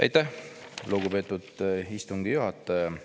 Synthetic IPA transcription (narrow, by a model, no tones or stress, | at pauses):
ɑ̰jt̪ːˑæhluɡube̞ːt̪ːˑud̪ist̪uŋɡ̥ijuɦɑt̪ːˑɑjɑ